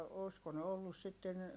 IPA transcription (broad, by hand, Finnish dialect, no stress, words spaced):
oˑsko ne olːus sitːen